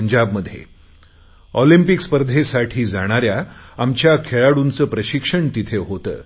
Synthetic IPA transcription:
ɲd͡ʑabməd̪ʱjḛ | ɔlimpikspəɾd̪ʱesaʈʰiːd͡zaɽ̃aɾjaamt͡ɕjakʰeɭaɽunt͡səːpɾəɕikʂəɳt̪it̪ʰeɦot̪ə̰ː

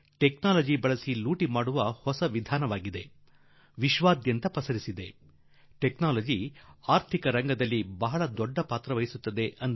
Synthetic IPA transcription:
ʈeknaːlɐd͡ʒibɐɭɐsiluːʈimaːɽuʋɐhɔsɐʋid̪ʱaːnɐʋaːɡid̪e̞ | ʋiʃʋaːd̪jɐnt̪ɐpɐsɐɾisid̪e̞ | ʈeknaːlɐd͡ʒiaːɾt̪ʰikɐɾɐŋɡɐd̪ɐlːibɐɦɐɭɐd̪ɔɖːɐpaːt̪ɾɐʋɐjisut̪ːɐd̪e̞ʔɐn

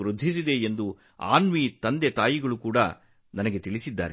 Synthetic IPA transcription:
ɾud̪ʱːis̬id̪e̞end̪u | a̰ːnʋiːt̪ɐnd̪et̪aːjiɡɐɭukuːɽɐ̰ | nɐnɐɡet̪iɭisid̪ːa̰ːɾe

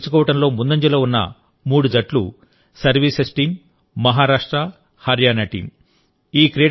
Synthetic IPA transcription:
t͡ʃːu̥kɔːʋɐʈɐmlo̞ːmund̪ɐɲd͡ʒɐlɐːunːɐ̰ | muːɽud͡ʒɐʈlṵ | sɐɾʋiːsesʈiːmː | ɐɦaːɾaːʂʈɾɐ | hɐɾjaːnɐʈḭːm | iːkɾeː

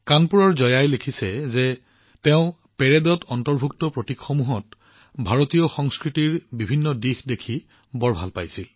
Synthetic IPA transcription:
kanpuɹɔɹzɔjajlekʰisɛze | teʊ̃ | pɛɹɛdɔtɔntɔɹbʱuktɔpɹotikxɔmuɦɔt̚ | bʱaɹotijɔxɔŋskɹitiɹbibʱinːɔdixdekʰi | bɔɹbʱa̰lpa̰jsil

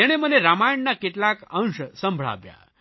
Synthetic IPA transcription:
jɛɽ̃eməneɾamajəɳːakit̪lakə̃ŋʂəsəmbʱɭa̰ʋja̰

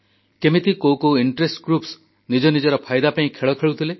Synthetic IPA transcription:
kemit̪ikowkoiɳʈɾesʈɡɾups | nid͡ʒɔnid͡ʒɔɾɔpʰajd̪apaĩkʰeɭɔkʰeɭut̪ʰile

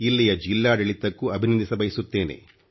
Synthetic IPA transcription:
ilːijɐd͡ʒilːaːɖɐɭit̪ːɐkːuɐbʱinɐnd̪isɐbɐjisut̪ːe̞ːnḛ

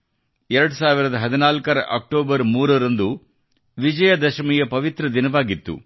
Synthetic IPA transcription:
ɛɾɐɽusaːʋiɾɐd̪ɐɦɐd̪inaːlkɐɾɐ̰ʔɐk̚ʈoːbɐɾmuːɾɐɾɐnd̪u | ʋid͡ʒɐjɐd̪ɐʃɐmijɐpɐʋit̪ɾɐd̪inɐʋaːɡit̪ːṵ

